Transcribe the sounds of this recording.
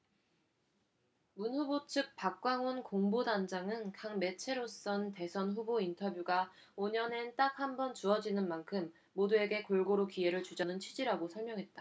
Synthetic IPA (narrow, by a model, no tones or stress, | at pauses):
munɸubot͡ɕʰɯk̚p͈ak̚k͈waŋonkoŋbodand͡ʑaŋɯnkaŋme̞t͡ɕʰe̞ɾos͈ʌnte̞sʰʌnɸubointʰʌbjuɡa | oɲʌne̞nt͈ak̚hambʌnt͡ɕuʌd͡ʑinɯnmankʰɯmː | odue̞ɡe̞koɭɡoɾokie̞ɾɯɭt͡ɕud͡ʑʌnɯnt͡ɕʰɥid͡ʑiɾaɡosʰʌɭmjʌŋɦe̞t̚t͈a